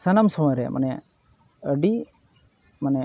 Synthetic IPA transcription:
sənamsɔmɔjɾɛ̰mʔa̰nɛ | əɖi | manɛ

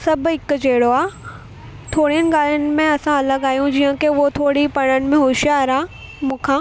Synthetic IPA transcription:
sɐbʱɪkd͡ʑeːɽoaː | t̪ʰoːɽiənɪ̆ɡaːlənɪ̆mẽɐsãɐləɡaːjũd͡ʑiːə̃keʊot̪ʰoːɽipɐɽ̃ənɪ̆mẽɦoːʃjaɐɾaː | mũːkʰãː

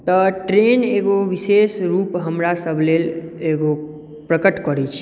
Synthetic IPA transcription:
t̪əʈɾeneɡoʋisesɾupɦəmɾasəbʱleleɡo | pɾəkəʈkəɾɛt͡ʃʰ

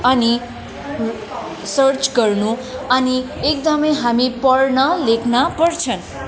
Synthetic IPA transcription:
ʌni | sʌrt͡sɡʌrnuʌniek̚d̪ʌmʌjɦamipʌɽnʌlekʰnʌpʌrt͡sʰʌn

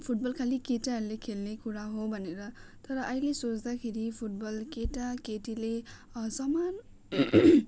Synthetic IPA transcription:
pʰuʈ̚bʌlkʰalikeʈaɦʌɾulekʰelnekuɾaɦobʱʌneɾʌt̪ʌɾʌʔʌjlesot͡sd̪akʰeɾipʰuʈ̚bʌlkeʈakeʈile | sʌman

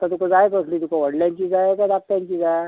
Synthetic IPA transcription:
t̪ət̪ukad͡zajekəsliːt̪ukaʋəɽlʲjaɲt͡ɕid͡zajekad̪ak̚t̪jaɲt͡ɕid͡zaj

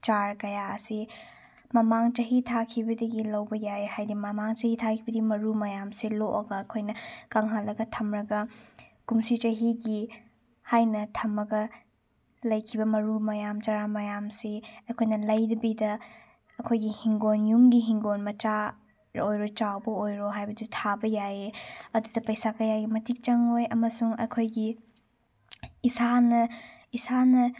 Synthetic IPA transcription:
t͡ʃaɾkɐjaɐsi | mɐmaŋt͡ʃɐɦitʰakʰibɐdɐɡilɐwbɐjajhajdimɐmaŋt͡ʃɐhitʰakʰibɐdimɐɾumɐjamsiloʔɐɡɐːkʰojnɐkaŋɦalːɐɡɐtʰɐmɾɐɡɐkumsit͡ʃɐɦiɡi | hajnɐtʰɐmːɐɡɐ | lɐjkʰibɐmɐɾumɐjamt͡ʃaɾamɐjamsiɐkʰojnɐlɐjdɐbidɐ | ɐkʰojɡihiŋɡonjuŋɡiɦiŋɡonmɐt͡ʃa | ojɾot͡ʃawbɐojɾoɦajbɐdutʰabɐjaeɐdudɐpɐjsakɐjaɡimɐtik̚t͡ʃɐŋojɐmɐsuŋɐ̰kʰojɡi | isanɐisanɐ

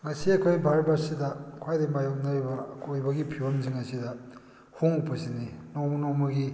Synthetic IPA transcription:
ŋɐsiɐkʰojbʱaɾbaɾsidɐkʰwajdɐmajok̚nɐɾibɐkʰojbɐɡipʰiwɐmziŋɐsidɐ | huŋupʰɐsininomɐnɔmɐɡi

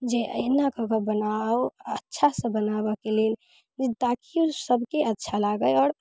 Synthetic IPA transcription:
d͡ʒeʔə̰nakəkəbənaoətːʃʰasə̃bənabəkelen | t̪akiosəbʱkeətːʃʰalaɡəjɔːɾ

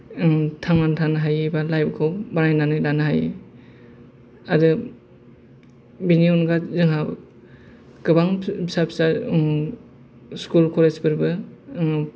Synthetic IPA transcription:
tʰaŋmantʰanɦajbalajbkʰawbanajnanɯjdanɦaj | adɯ | biniunɡazɯŋɦa | ɡ̥ɯbaŋbisapsa | skulkʰɔled͡ʒbɯɾbɯ

